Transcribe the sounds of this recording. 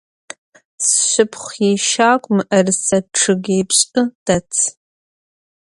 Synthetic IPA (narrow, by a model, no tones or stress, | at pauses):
sʃʷʊpʰχʷjeʃaːkʷʼmʔɐrsɐʈ͡ʂʰɨɡʲejpɕʼɨd̥at͡sʰ